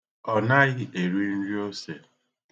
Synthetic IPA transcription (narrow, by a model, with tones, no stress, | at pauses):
ɔ˨na˦ɣɪ˦ʔe˨ɾi˦n̩˦ɾi˦o˦se˨